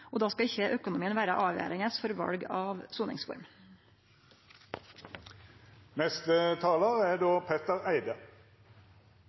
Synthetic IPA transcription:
oːd̪ɑːskɑɪçəʔøːkʊnʊmiːənʋæːɾəʔɑːʋḛːɾɪŋəsfɔɾʋɑ̰lɡɑːʋsuːnɪ̰ŋsʋʊ̰ɾm | nɛst̪ət̪ʰɑːləʁæd̪oːpʰeːt̪əʁæɪd̪ə

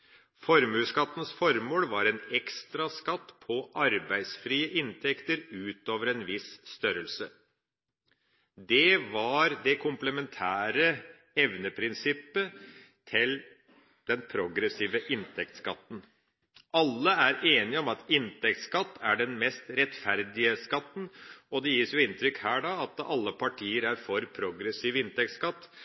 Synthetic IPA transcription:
fɔɾmʉːskɑt̪ːən̩sfɔɾmoːlʋɑɾɛnɛkst̪ɾɑskɑt̪ːpʰɔʔɑɾbæɪsfɾiːəʔɪnt̪ʰɛkt̪əɾʉːt̪oːʋəɾɛnʋɪsst̪œɾəlsə | d̪ɛʋɑɾd̪ɛkʰʊmpləmɛnt̪ʰæːɾə | ɛʋnəpʰɾɪnsɪpːə | t̪ʰɪl | d̪̥ɛnpʰɾʊɡɾɛsiːʋəʔɪnt̪ʰɛk̚t̪skɑt̪ːn̩ | ʔɑlːəæɾeːnɪɔmɑt̪ɪnt̪ʰɛk̚t̪skɑt̪ːæɖɛnmɛst̪ɾɛt̪fæɾd̪ɪəskɑt̪ːn̩ɔd̪ɛjiːsjʊɪnt̪ɾʏkhæːɖɑɑt̪ɑlːəpʰɑʈʰiːəɾæɾfɔɾpʰɾʊɡɾɛsiːʋɪnt̪ɛk̚t̪skɑt̪ː

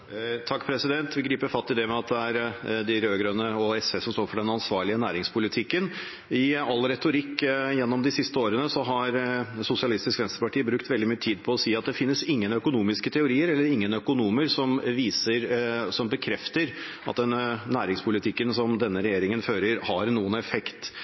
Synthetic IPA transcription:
t̪ʰɑkːpʰɾɛsɪd̪ɛnt̪ʋɪɡɾiːpəfɑt̪ːɪd̪ɛmɛɑt̪̚d̪ɛæɾd̪ɪɾøːɡɾœnːəɔɛsɛsɔmst̪oːɾfɔɖɛnɑnsʋɑːɾɭɪənæːɾɪŋspʰʊlɪt̪ʰɪkːən | ɪɑlɾɛt̪ʊɾɪkːjɛnːɔmd̪ɪsɪst̪əoːɾənəsɔɦɑɾsʊsɪɑlɪst̪ɪskʋɛnst̪əɾpɑʈʰiːbɾʉkt̪ʋɛld̪ɪmyːət̪ʰiːd̪pʰɔːsiːɑt̪̚d̪ɛfɪnːəsɪŋːənœkʊnuːmɪskət̪ʰɛʊɾiːəɾɛlːəɾɪŋːənœkʊnuːməɾsɔmʋiːsəɾsɔmbəkʰɾɛft̪əɾ | ɑt̪̚d̪ɛnnæːɾɪŋspʰʊlɪt̪ʰɪkːənsɔmd̪ɛnːəɾɛjeːɾɪŋənføːɾəɾhɑɾnːuːənɛfɛkt̪

